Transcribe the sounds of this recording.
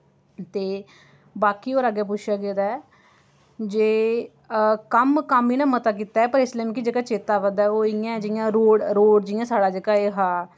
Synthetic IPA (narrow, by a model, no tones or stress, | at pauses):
t̪eː | baːkiːoːɾaɡeːp̬ʊt͡ʃʃʰjaːɡet̪aɛː | d͡ʒeː | kəmkəmiːnãːmət̪aːk̬iːt̪aːɛːpəɾɪsleːmːkid͡ʒeːkaːt͡ʃeːt̪aːʋəd̪aɛːoːɪjãːd͡ʒɪjãːɾoːɽɾoːɖd͡ʒɪjãːsaːɽaːd͡ʒeːkaːeːɦaː